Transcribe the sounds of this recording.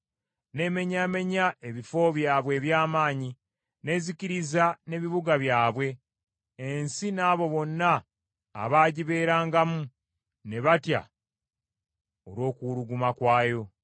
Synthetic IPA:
ne̞me̞ɲaːme̞ɲae̞βifo̞βjaːβwe̞ːβjaːmaːɲi | ne̞ːziciɾizane̞βiβuɡaβjaːβwe̞ː | nsinaːβo̞βo̞nːa̰ː | βaːɟiβe̞ːɾaːŋɡamu | ne̞βatja̰ | oɾwo̞ːkuɾuɡumakwaːjo̞

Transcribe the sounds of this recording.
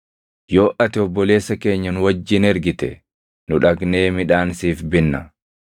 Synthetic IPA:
joːʔɐt̪ɪɔbːɔle̞ːsːɐke̞ːɲːɐnʊwɐd͡ʒːɪnɛɾɡɪt̪ɛ̰ | nʊᶑɐɡne̞ːmɪᶑaːnsiːfbɪnːɐ̰

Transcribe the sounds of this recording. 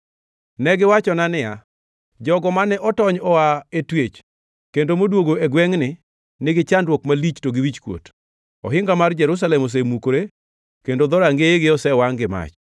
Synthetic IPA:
nɛɡɪwat͡ʃɔnanɪja | d͡ʒɔɡɔmanɛʔɔtɔɲɔwaetwet͡ʃ | kendomodwoɡoeɡwɛŋnɪ | nɪɡɪt͡ʃandwokmalit͡ʃtoɡɪwit͡ʃkwo̰t | ɔ̰ɦɪŋɡamard͡ʒɛɾus̬alɛmos̬emukoɾe | kendod̪ɔɾaŋɡeeɡɪɔsɛwaŋɡɪma̰t͡ʃ

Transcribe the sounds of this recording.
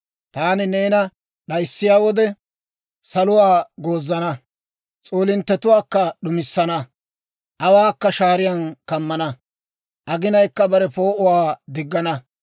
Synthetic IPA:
t̪aːnɪneːnɐ | ɗɐjsːɪjaːwɔd̪ɛ | sɐlʊwaːɡoːzːɐnɐ | t͡sʼoːlɪnt̪ːɛt̪ʊwaːkːɐɗʊmɪsːɐnɐ | ʔɐwaːkːɐʃaːɾɪjɐnkɐmːɐnɐ | ʔɐɡɪnɐjkːɐbɐɾɛpo̞ːʔʊwaːd̪ɪɡːɐnɐ

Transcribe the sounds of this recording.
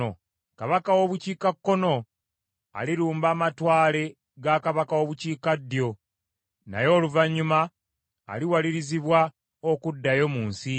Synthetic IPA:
o | kaβakawo̞βuciːkakːo̞no̞ | a̰liɾuːmbaːmatwaːle̞ | ɡakaβakawo̞ːβuciːkadːjo̞ | na̰jo̞ːluvaɲːuma̰ː | liwaliɾiziβwa | okudːajo̞muːnsi

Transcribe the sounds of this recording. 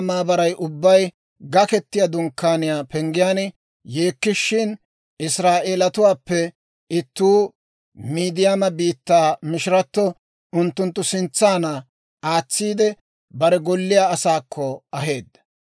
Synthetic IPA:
maːbɐɾɐjʔʊbːɐj | ɡɐkɛt̪ːɪjad̪ʊŋkːaːnɪjaːpɛŋɡɪjaːn | je̞ːkːɪʃːɪn | ɪsɾaːʔe̞ːlɐt̪ʊwaːpːɛ | ɪt̪ːuː | miːd̪ɪjaːmɐbiːt̪ːaːmɪʃɪɾɐt̪ːɔ | ʊnt̪ːʊnt̪ːʊsɪnt͡sːaːnɐ | aːt͡sːiːd̪ɛ | bɐɾɛɡɔlːɪjaːɐsaːkʰːɔɐɦe̞ːd̪ːɐ̥

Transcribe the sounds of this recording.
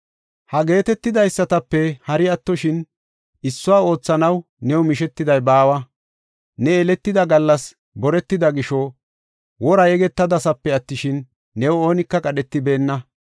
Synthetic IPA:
hɐɡe̞ːt̪ɛt̪ːɪd̪ɐjsːɐt̪ɐpːɛhɐɾɪɐt̪ːɔʃɪn | ɪsːʊwaːo̞ːt͡sːɐnɐw | nɛwɔmɪʃɛt̪ːɪd̪ɐjbaːwɐ | nɛɛlɛt̪ːɪd̪ɐɡɐlːɐs | bɔɾɛt̪ːɪd̪ɐɡɪʃɔ | wɔɾɐjɛɡɛt̪ːɐd̪ɐsɐpːɛɐt̪ːɪʃɪnː | ɛwo̞ːnɪkːɐkʼɐɗɛt̪ːɪbe̞ːnːɐ

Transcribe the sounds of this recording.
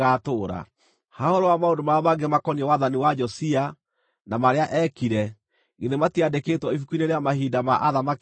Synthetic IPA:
atoːɾa̰ | hahoɾowamaondomaamaɡemakɔniɛwaðaniwad͡ʒɔsia | namaɾeaʔɛkiɾɛ | ɣiðematiadeketwɔifukuineɾeamahidamaʔaðamak

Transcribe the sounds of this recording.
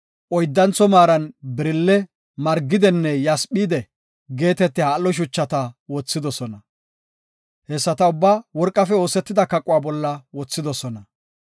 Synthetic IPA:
ʔɔjd̪ːɐnt͡sːɔmaːɾɐnbɪɾɪlːɛ | mɐɾɡːɪd̪ɛnːɛjɐspiːd̪ɛ | ɡe̞ːt̪ɛt̪ːɪhaːlːɔʃ̬ʊt͡ʃːɐt̪ɐwɔt͡sːɪd̪ɔsɔnɐ | hɛsːɐt̪ɐʊbːaːwɔɾkʼːɐfɛo̞ːsɛt̪ːɪd̪ɐkɐkʼːʊwaːbɔlːɐwɔt͡sːɪd̪ɔsɔnɐ

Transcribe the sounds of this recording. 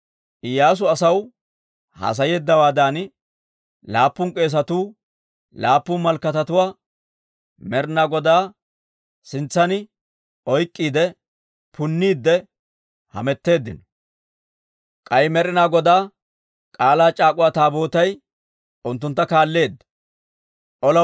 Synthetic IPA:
ʔɪjːaːs̬ʊɐsɐw | hɐ̰s̬ɐjeːd̪ːɐwaːd̪aːn | laːpːʊŋkʼe̞ːs̬ɐt̪uː | laːpːʊnmɐlkːɐt̪ɐt̪ʊwaː | mɛɾɪnaːɡɔd̪aː | sɪnt͡sːɐnɪ | ɔjkʼːiːd̪ɛ | pʰʊnːiːd̪ːɛ | hɐ̰mɛt̪ːe̞ːd̪ːɪ̰nɔ̥ | kʼɐjmɛɾɪnaːɡɔd̪aː | kʼaːlaːt͡ʃʼaːkʼʊwaːt̪aːbo̞ːt̪ɐj | ʊnt̪ːʊnt̪ːɐkaːlːe̞ːd̪ːɐ̥ | ʔɔlɐ

